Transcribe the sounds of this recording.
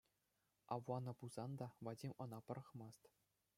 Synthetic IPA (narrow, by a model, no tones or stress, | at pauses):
ɑʋwɑnɤ̆puz̥ɑnd̪ɑvɑdʲimʲɤ̆nɑpɤ̆ɾɤ̆χmɑst̪